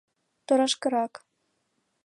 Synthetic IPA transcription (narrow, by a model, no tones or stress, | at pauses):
t̪ŏɾɑ̆ʃkɤ̆ɾɑk